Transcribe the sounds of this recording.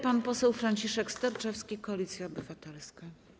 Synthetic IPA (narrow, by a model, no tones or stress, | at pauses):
panpɔsɛwfɾaɲt͡ɕiʂɛkst̪ɛɾt͡ʂɛfskʲikɔlʲit̪sʲjaɔbɘvat̪ɛlska